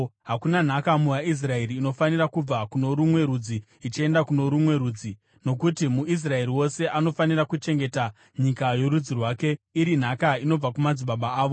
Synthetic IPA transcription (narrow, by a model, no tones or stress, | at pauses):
ɦakunan̤akamujais̬rae̞ɾiːno̞fanirakub͡vakuno̞ɾumwe̞ɾud͡ziː | t͡ʃie̞ndakuno̞ɾumwe̞ɾuːd͡zi | no̞kutimuis̬rae̞ɾiwo̞se̞ʔano̞fanirakut͡ʃe̞ŋɡe̞ta | ɲikajo̞ɾud͡zirwaːke̞iɾin̤akaino̞b͡vakumad͡ziɓaɓaaːʋo